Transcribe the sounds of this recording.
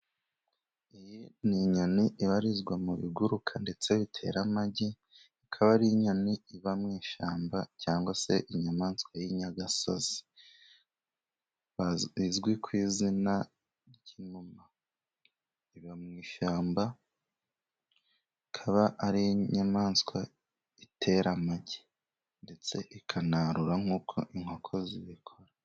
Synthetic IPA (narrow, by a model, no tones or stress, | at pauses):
ejiniɲoniʔiβaɾizɡwamuβḭɡuɾukʰande̞t͡se̞βitʰe̞̰ɾamaɟi | ikʰaβaɾiɲoniiβamŋiːʃaːmbacaːŋɡwase̞ʔiɲamaːnskwajiɲaɡaso̰zi̥ | izɡwikʰwiːzina | ɾɟinuma | iβamŋiːʃaːmba | ikʰaβaʔaɾiɲamaːnskwa | itʰe̞ɾamaɟe̥ | nde̞t͡se̞ʔikʰanaɾuɾaŋ̥uːkʰo̞ʔiŋho̞kʰo̞ziβikʰo̞ɾa